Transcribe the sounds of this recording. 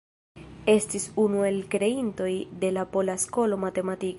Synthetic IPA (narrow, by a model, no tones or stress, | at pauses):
e̞stisunue̞lkɾe̞into̞jde̞lapo̞lasko̞lo̞mate̞matik